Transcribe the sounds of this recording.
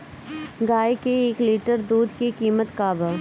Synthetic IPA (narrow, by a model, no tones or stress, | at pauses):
ɡaːekeeːkliːʈəɾd̪uːd̪kekiːmət̪kaːbaː